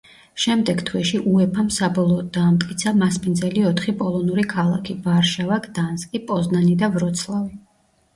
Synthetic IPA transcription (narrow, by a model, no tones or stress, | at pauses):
ʃɛmd̪ɛɡt̪ʰwɛʃiʔuɛpʰamsabɔlˠɔːd̪̚d̪aːmt̪ʼkʼit̪sʰamaspʼind̪zɛliɔt̪ʰχipʼɔlˠɔnuɾikʰalˠa̰kʰibaɾʃavakʰd̪̥anskʼipʼɔznanid̪avɾɔt̪sʰlˠavi